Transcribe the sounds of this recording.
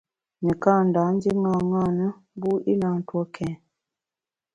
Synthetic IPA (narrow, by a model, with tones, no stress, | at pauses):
ni˨ka˦˨n˨da˨˦n̩˦di˦ŋa˦˨ŋa˦˨nə˦bu˦ʔi˦na˨n̩˦twɔ˦kʰɛ̃˨